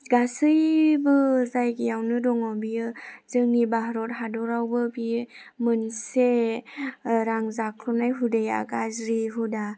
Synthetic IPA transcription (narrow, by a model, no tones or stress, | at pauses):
ɡasɯjbɯzajɡijawnɯdɔŋɔbijɯz̥ɯŋnibaɦɾɔt̚ɦadɔɾawbɯbimɯnse | ɾaŋzakʰlɔnajɦudeja̰ɡazɾiɦuda